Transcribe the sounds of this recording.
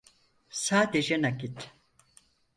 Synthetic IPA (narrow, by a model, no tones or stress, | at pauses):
saːd̪ed͡ʒɛnakit̪